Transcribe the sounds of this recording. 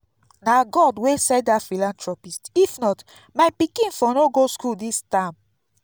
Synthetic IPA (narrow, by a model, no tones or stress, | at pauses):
naɡɔdwesɛdafilãntɹɔpistifnɔt | majpikĩnfɔnoɡoskuldistãm